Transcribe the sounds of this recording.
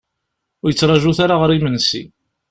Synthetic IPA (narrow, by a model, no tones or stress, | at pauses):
ʊɾjət͡sːɾˤɑʒuθaɾaʁəɾimənsḭ